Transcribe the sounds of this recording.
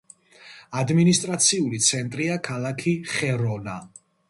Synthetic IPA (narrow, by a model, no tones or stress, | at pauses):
ad̪minist̪ʼɾat̪sʰiulit̪sʰɛnt̪ʼɾiakʰalˠakʰiχɛɾɔna̰